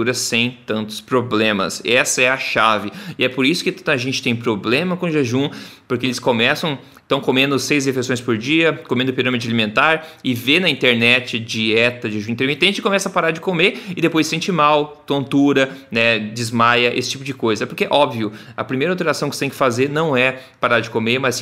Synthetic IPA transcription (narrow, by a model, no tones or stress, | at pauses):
uɾɐsːẽj̃t̪ɐ̃nt̪ʊ̥spɾoblẽmɐ̰sɛsɐɛɐʃavɪɪɛpoɾisʊ̥kɪɐʒẽnt͡ʃɪ̥t̪ẽj̃pɾoblẽmɐkõʒeʒũpoɾkeelɪskomɛsɐ̃w̃ | t̪ɐ̃w̃komẽnd̪ʊsejzd̪efesõj̃spoɾd͡ʒiɐkomẽd̪ʊpiɾɐ̃med̪ʊɪalimẽnt̪aɾɪvenɐĩnt̪eɾnɛt͡ʃɪd͡ʒiɛt̪ɐʒeʒũĩt̪eɾmit̪ẽnt͡ʃɪ̥kõmɛsɐpaɾaɾd͡ʒɪkomeɪd̪epojsːẽnt͡ʃɪmawt̪õnt̪uɾɐnɛd͡ʒɪzmajɐʔḛsɪ̥t͡ʃipʊd͡ʒɪkojzɐpoɾkeʔɔbviʊɐ̰pɾimejɾawt̪̬eɾasɐ̃w̃kɪset̪ẽj̃kɪ̥fazeɾnɐ̃w̃ɛpaɾaɾd͡ʒɪkomeɾmɐz